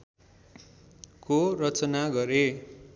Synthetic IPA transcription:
korʌt͡sʌnaɡʌɾe

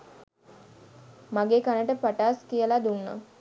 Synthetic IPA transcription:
maɡeːkanəʈəpaʈaːskijəlad̪unːə̰

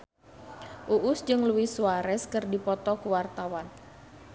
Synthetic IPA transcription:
ʔuʔʊsd͡ʒɨŋluwɪsuaɾɛskɨrdipɔt̪ɔkuwart̪awan

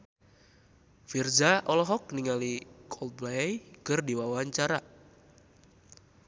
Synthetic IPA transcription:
fird͡ʒaʔɔlɔɦɔk̚niŋalikʰɔlt̪̚blajkərdiwawaɲt͡ʃaɾa

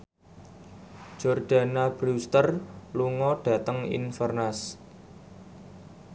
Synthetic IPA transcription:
d͡ʒ̥ɔrɖ̥a̤nab̥ɾust̪ərluŋɔɖ̥ä̤t̪əŋḭnfərnas

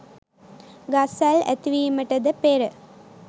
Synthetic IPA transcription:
ɡasælæ̰t̪iʋiːməʈəd̪əpeɾə

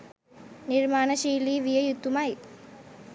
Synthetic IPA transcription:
niɾmaːnəʃiːliːʋijəjut̪ːumaj

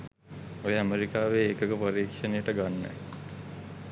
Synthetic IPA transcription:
ojəæmeɾikaːʋeːkəkəpəɾiːkʂənejəʈəɡanːə̰

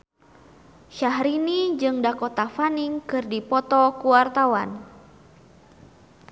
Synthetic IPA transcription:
ʃaɦɾinid͡ʒɨŋdakɔt̪afaniŋkɨrdipɔt̪ɔkuwart̪awan

